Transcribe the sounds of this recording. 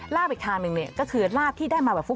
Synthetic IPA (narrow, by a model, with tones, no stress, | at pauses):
ɾaː˥˩p̚i˨˩k̚t̪ʰaː˧ŋnɯ˧ŋni˥˩ɐkɔː˥˩kʰɯː˧laː˥˩p̚t̪ʰiː˥˩daː˥˩jmaː˧bɛː˨˩p̚fu˦˥